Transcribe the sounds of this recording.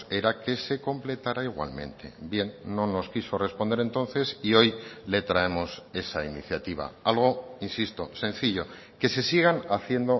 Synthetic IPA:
e̞ɾake̞se̞ko̞mple̞t̪aɾaiɣwa̰lmẽ̞̰nt̪ʰe̞̰bje̞nːo̞no̞skiso̞re̞spond̪eɾent̪o̞nθe̞sio̞jle̞t̪ɾae̞mo̞se̞sainiθjat̪iβ̞a̰alɣ̞o̞insist̪o̞sẽ̞nθiʎo̞ | ke̞se̞siɣ̞anaθje̞nd̪o̞

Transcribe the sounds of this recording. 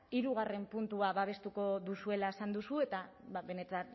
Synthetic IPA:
iɾuɣ̞are̞mpunt̪uaβaβ̞e̞st̪uko̞ðusue̞lae̞sand̪usue̞t̪aβaβe̞ne̞t̪an

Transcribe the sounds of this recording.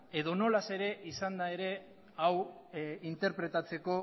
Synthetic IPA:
e̞ðo̞no̞lase̞ɾe̞ʔisand̪ae̞ɾe̞ | aw | int̪e̞ɾpɾe̞t̪at͡se̞ko̞

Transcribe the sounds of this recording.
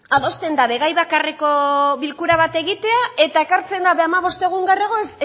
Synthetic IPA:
aðo̞st̪e̞nd̪aβe̞ɣajβakareko̞βilkuɾaβat̪e̞ɣit̪e̞ae̞t̪ae̞kaɾt͡se̞nd̪aβeamaβo̞st̪e̞ɣ̞uŋɡareɣ̞o̞es

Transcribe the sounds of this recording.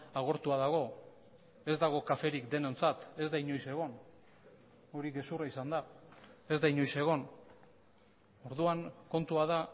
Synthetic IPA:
aɣ̞o̞ɾt̪uaðaɣ̞o̞ | e̞zd̪aɣ̞o̞kafe̞ɾikd̪e̞ne̞nt͡sat̪e̞zd̪ajɲo̞jse̞ɣ̞o̞n | o̞ɾiɣe̞suraisand̪ae̞zd̪ajɲo̞jse̞ɣ̞o̞n | o̞ɾðuaŋko̞nt̪uaða

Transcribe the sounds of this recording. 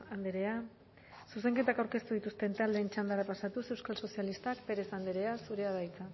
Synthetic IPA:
and̪eɾe̞a | suse̞ŋke̞t̪akawɾke̞st̪uðit̪ust̪e̞nt̪ald̪e̞ːnt͡ʃand̪aɾapasat̪use̞wskalso̞sialist̪akpe̞ɾe̞sand̪eɾe̞asuɾe̞aðajt͡sa

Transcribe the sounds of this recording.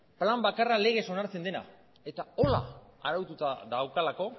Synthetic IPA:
plambakarale̞ɣ̞e̞so̞naɾt͡se̞nd̪e̞na̰ | e̞t̪ao̞la̰aɾawt̪ut̪aðawkalako̞

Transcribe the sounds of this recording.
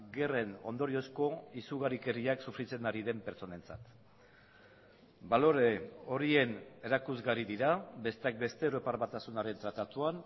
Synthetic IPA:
ɡe̞re̞no̞̰nd̪o̞ɾio̞sko̞isuɣ̞aɾike̞riaksufɾit͡se̞naɾiðe̞mpeɾt͡sone̞nt͡sa̰t̪ | balo̞ɾeo̞ɾie̞ne̞ɾakuzɣaɾiðiɾabe̞st̪eak̚be̞st̪e̞ːwɾo̞paɾβat̪asunaɾe̞nt̪ɾat̪at̪uan

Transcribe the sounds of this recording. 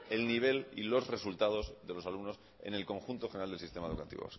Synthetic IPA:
e̞lniβ̞e̞lḭlo̞zre̞sult̪að̞o̞zðe̞lo̞salumno̞s | ḛne̞lko̞ŋxunt̪oxenɾald̪elsist̪emaeðṵkat̪ḭβo̰s

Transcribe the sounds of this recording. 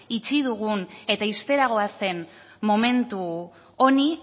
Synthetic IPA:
it͡ʃiðuɣune̞t̪aist̪e̞ɾaɣ̞o̞ase̞n | mo̞me̞nt̪u | oni

